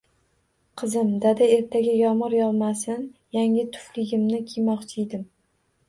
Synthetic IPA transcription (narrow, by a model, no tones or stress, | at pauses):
qʰɨzɪmd̪ad̪ae̞ɾt̪ʰaɡʲajɒmɨɾjɒlˠmasɪnjaŋɪt̪ʰʊ̥flɪɡʲɪmnɪkʲʰijmɒqt͡ʃʰɪjd̪ɪm